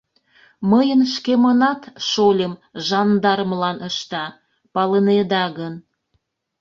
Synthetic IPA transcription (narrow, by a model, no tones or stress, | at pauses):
məjənʃkemənɑt̪ʃolʲəmʒɑnd̪ɑrməlɑnəʃt̪ɑ | pɑləned̪ɑɣən